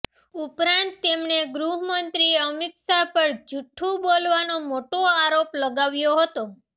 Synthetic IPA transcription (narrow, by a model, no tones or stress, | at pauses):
upɾãnt̪ːemneɡɾuɦmənt̪ɾieəmɪksapəɾd͡ʒuʈʰːũbolʋanomoʈoaɾopləɡaʋjoɦət̪o